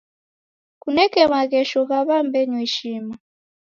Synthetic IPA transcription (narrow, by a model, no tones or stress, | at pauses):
kunɛkɛmakɛʃɔkaβambɛɲwiʃima